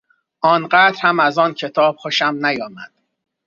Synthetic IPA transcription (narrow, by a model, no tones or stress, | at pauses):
ʔɒːnɢæːd̪ɾhæmæzɒːncʰe̞t̪ʰɒːb̥̚xoʃæmnæjɒːmæd̪̥̚